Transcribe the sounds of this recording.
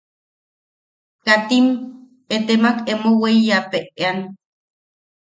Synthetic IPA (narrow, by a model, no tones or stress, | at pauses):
kat̪im | et̪emakemoweijapeʔean